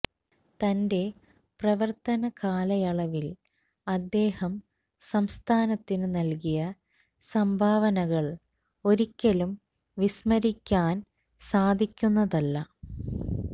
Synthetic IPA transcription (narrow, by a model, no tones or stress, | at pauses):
t̪ɐnde̞ | prɐʋɐrt̪ɐnɐkaːlɐjɐɭɐʋil | ɐd̪ːe̞ːhɐm | sɐmst̪ʰaːnɐt̪ːinɨnɐlkijɐ | sɐmbʱaːʋɐnɐɣɐɭ | o̞ɾikʲːɐlum | ʋismɐɾikʲːaːn | saːd̪ʱikʲːunːɐðɐlːɐ